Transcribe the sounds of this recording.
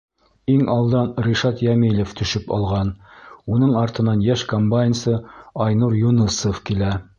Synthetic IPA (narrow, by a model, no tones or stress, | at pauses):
iŋʔɑlˠd̪ɑnɾʲiʃɑt̪jæmilŏft̪ɵ̆ʃɵpɑ̰lˠʁɑnunɤɴɑɾt̪ɤ̆nɑnjæʃkombajʲnsɤɑjnuɾjunɤsofkilæ